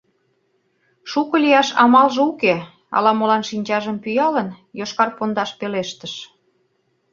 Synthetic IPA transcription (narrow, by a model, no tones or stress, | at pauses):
ʃukɤ̆lijɑʃɑ̰mɑlʒeuke | ɑ̰lɑmolɑnʃinʲt͡ɕɑʒəmpyjɑlən | joʃkɑrpond̪ɑʃpeleʃt̪əʃ